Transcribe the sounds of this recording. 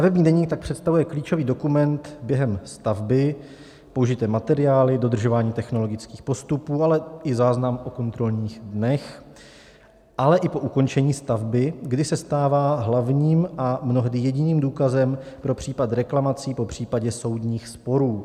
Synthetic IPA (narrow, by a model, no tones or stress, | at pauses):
st̪avɛbɲiːdɛɲiːk̚t̪ak̚pr̥ɛt̪st̪avujɛkliːt͡ʃo̞viːdo̞kumɛnt̪bjɛɦɛmst̪avbɪ | po̞uʒɪt̪ɛːmat̪ɛɾɪaːlɪdo̞d̪r̩ʒo̞vaːɲiːt̪ɛxno̞lo̞ɡɪt͡skiːxpo̞st̪upuːalɛʔɪzaːznamʔo̞ko̞nt̪ɾo̞lɲiːɣdnɛx | ʔalɛʔɪpo̞ʔuko̞nt͡ʃɛɲiːst̪avbɪɡdɪsɛst̪aːvaːɦlavɲiːmʔamno̞ɦdɪjɛɟɪniːmduːkazɛmpɾo̞pr̝̥iːpat̪ɾɛklamat͡siːpo̞pr̝̥iːpaɟɛso̞wdɲiːxspo̞ɾuː